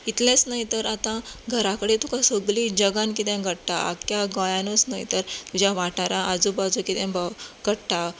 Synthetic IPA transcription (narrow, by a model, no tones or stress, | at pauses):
it̪lẽt͡snajt̪əɾat̪ãɡʱəɾakəɽet̪ukãsəɡlid͡ʑəɡãnkit̪ɛ̃ɡəɽʈaa̰kjaɡãjanosnajt̪əɾt̪ud͡ʑaʋaʈaɾãəd͡zubad͡zukit̪ɛ̃baɡəɽʈa